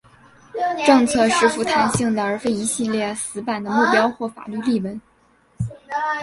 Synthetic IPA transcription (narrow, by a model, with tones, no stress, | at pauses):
ʈ͡ʂɤ˥˧ŋt͡sʰɤ˥˧ʂɻ̩˥˩fu˧˥t̪ʰa˧˥nɕi˥˩ŋd̪ə˩ə˞˧˥fe˥˩ɪi˧˥ɕi˥˧ljɛ˥˩sɹ̩˧˥pa˨˩nd̪ə˦mu˥˩pjɑ˥ʊxwɔ˥˩fa̰˨˩ly˥˧li˥˩wə˧˥n